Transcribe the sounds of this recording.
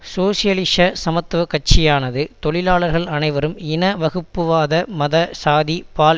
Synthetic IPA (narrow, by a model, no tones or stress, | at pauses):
soːsɪjɐlɪʂɐsɐmɐt̪ːʋɐkɐʈ̚t͡ʃɪjaːnɐðɯt̪ɔɭɪlaːɭɐɾɣɐɭɐnɐɪʋɐɾɯmɪnɐʋɐɣɯpːɯʋaːðɐmɐðɐsaːðipaːl